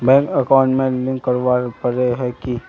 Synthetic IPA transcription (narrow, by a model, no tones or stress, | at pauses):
bɛ̃ːŋkɐkaːʊ̃ɳʈmẽlɪ̃ŋkːəɾʋapəɾeɦɛki